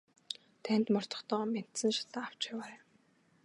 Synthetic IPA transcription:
t̪ʰæn̥ʲt̪mɔr̥t͡s̪ɞ̥̆χt̪ɔːmen̥t̪sɘ̆nʃḁt̪aːaw̥t͡ɕjawaː

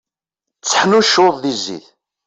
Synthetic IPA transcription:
t͡sːə̥ħnuʃoðˤðizːḭθ

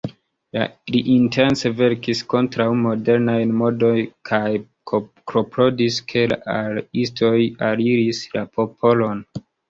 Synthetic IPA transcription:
la̰liʔintʰe̞nse̞ve̞ɾkisko̞ntɾawmo̞de̞ɾnajnmo̞do̞jkʰaj | kɾopɾo̞diskʰe̞la̰ʔalistʰo̞jaɾiɾislapʰo̞pʰo̞lo̞n

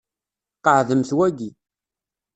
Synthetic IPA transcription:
qəʕðəmθwæɡi

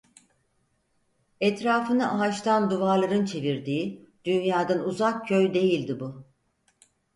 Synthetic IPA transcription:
ɛt̪ɾaːfɯnɯʔaɦat͡ʃt̪ʰand̪uvaɾlˠaɾɯnt͡ʃʰe̞viɾd̪iː | d̪̥ynjaːd̪anuzakcʰːøjd̪e̞jilʲd̪ibu

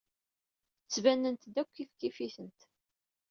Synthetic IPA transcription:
t͡sːvænːənt̪d̪ækʷːifkːifiθənt̪

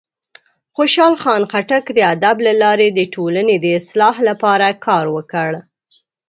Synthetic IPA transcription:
xoʃɑlxɑnxaʈakd̪əad̪ablalɑɾed̪əʈʰolaned̪əɪslɑɦlapɑɾakʰɑɾwəkəɽ

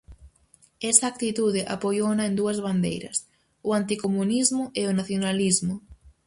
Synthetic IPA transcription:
ɛsɐaːk̚t̪it̪uðɪʔa̰pojonɐend̪uɐzβand̪ḛjɾɐ̰s | ʊant̪ikomunizmʊʔeʊnaθjonalizmʊ

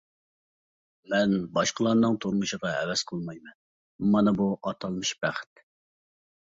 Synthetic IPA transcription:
mɛnbɑʃqəlˠɑnɨŋt̪ʰoɾmɨʃəʁɑɛ̰wɛz̥qʰəlˠmɑjmɛn | mɑnɨbuʔɑt̪ʰɑlˠmɨʃb̥æχɪ̥t̪

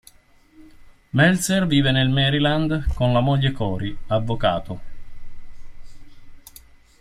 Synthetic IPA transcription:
mɛlserviːvenelmɛɾiland̪konlamoʎːekɔːɾiavːoka̰ːt̪o

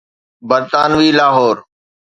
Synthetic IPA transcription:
bəɾt̪aːnʋiːlaːɦoːɾ

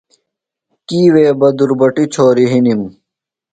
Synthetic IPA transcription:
kiːweːbɐd̪uɾbɐʈit͡ɕʰoːɾiɦinim

